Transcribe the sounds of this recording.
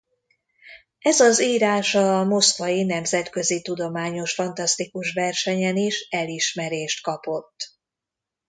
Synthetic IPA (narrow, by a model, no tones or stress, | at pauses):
ɛzɒziːɾaːʃɒmo̞skʋɒjinɛmzɛt̪kø̞zit̪ud̪o̞maːɲo̞ʃfɒnt̪ɒst̪ikuʃʋɛrʃɛɲɛniʃɛliʃmɛɾeːʃt̪kɒpo̞t̪ː